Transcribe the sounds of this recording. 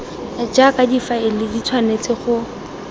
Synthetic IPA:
d͡ʒakadifaɪlɪdit͡sʰwanet͡sɪχʊ

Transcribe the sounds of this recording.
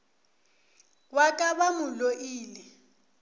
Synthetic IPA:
wakʼaβamʊloʔiːlɛ

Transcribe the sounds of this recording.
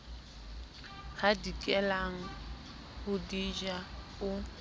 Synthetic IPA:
ɣadikʼɛlaŋ̩ | hʊdid͡ʒa | ʊ

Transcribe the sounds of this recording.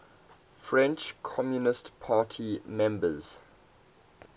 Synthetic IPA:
fɹɛ̃nt͡ʃkʰɔmjunɪstpʰaːtʰimɛ̃mbəz̥

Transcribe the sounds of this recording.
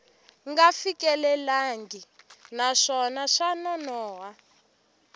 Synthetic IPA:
ŋɡafikɛlɛlaŋɡi | naʂɔnaʂanɔnɔːwa

